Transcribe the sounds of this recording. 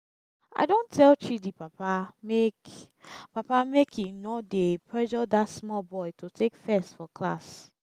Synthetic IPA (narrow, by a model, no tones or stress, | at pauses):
a̰ɪdõntʰɛlˠt͡ʃidipapamek | papamekʰinɔdepʰɹɛʒɔdatsmɔlbɔjtʰotʰekfɛstfɔkʰla̰s